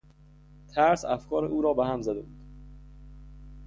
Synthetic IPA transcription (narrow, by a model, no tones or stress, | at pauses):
t̪ʰæɾsæfkʰɒːɾḛʔuːɾɒːbehæmzæd̪ḛbuːd̪̥